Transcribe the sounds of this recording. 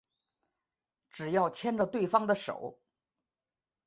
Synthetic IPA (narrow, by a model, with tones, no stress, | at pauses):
ʈ͡ʂɻ̩˨˩jɑ˥˩ʊt͡ɕʰjɛ˥nʈ͡ʂə˨t̪we˥˩ɪfɑ˥ŋd̪ə˨ʂo̰˨˩˦ʊ